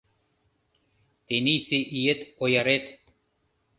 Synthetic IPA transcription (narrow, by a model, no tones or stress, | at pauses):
t̪enisiʔijet̪ojaɾet̪